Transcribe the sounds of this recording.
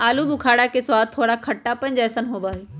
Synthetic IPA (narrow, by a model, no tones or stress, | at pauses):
aːlubʊkʰaːɽakʰeswaːd̪̚t̪ʰːoːɽakʰɐʈːapɐ̃ɪ̃ɲd͡ʑɛːsənɦoːbaːɦeː